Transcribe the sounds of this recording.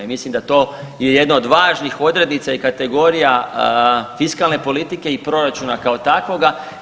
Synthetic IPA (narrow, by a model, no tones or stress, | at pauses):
imislimd̪at̪o̞ | jeje̞d̪naod̪ʋaːʒnixo̞d̪ɾe̞d̪nit̪saikat̪e̞ɡo̞ɾija | fiskalne̞po̞lit̪ike̞ipɾo̞ɾat͡ʃunakao̞t̪akʋo̞ɡa